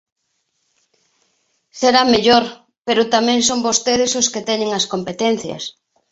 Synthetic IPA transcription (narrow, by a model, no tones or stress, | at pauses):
seɾameʎoɾ | peɾʊt̪amɛ̃ŋsombost̪eðɪsʊsket̪ɛɲeŋɐskompet̪ɛn̟θjɐ̰s